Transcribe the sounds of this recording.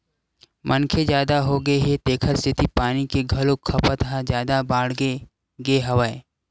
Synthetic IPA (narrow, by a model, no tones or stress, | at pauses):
mʔənkʰed͡ʒjaːd̪aɦoɡəeɦet̪eːkʰəɾsʰɪt̪ipaːnikeɡʱɐlokʰːɐpət̪ɦad͡ʒjaːd̪abaːɽ̤ɡe | ɡeɦɐʋəe